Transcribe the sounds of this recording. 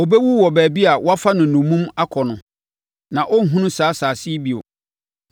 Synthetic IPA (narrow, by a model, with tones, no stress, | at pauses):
o˨bɛ˦wu˦wɔ˨bæː˨bi˦a˨wɔ˦a˦fa˦nʊ̃˨nʊ̃˨mũ˦ma˦kʰɔ˨nʊ̃˨ | nã˨ʔɔ˦ŋ̩˦ɦũ˦nʊ̃˦saː˨˦saː˨si˦bi˨o̰˨